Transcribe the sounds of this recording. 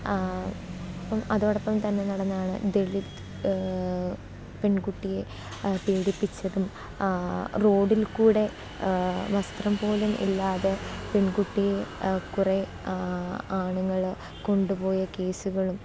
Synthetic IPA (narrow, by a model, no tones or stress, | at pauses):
ɐpːɐmɐðoːɽɐpːɐmt̪ɐnːe̞nɐɽɐnːɐaːɳɨ̰d̪eɭit̪ | peɳkuʈːije̞ | peːɽipːit͡ɕːɐðum | ro̞ːɽilkuːɽe̞ | ʋɐst̪rɐmpo̞ːlumḭlːaːðepeɳkuʈːijekure | aːɳuŋːɐɭ | ko̞ɳɖupo̞ːjɐke̞ːsuɣɐɭum